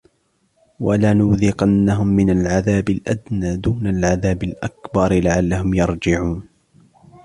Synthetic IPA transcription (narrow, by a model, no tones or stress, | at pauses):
walanʊðɪqɑnːaɦʊmːɪnalʕaðaːbɪlʔa̰d̪naːd̪uːnalʕaðaːbalʔakbɑɾˤlaʕalːahʊmjɑɾˤd͡ʒɪʕuːn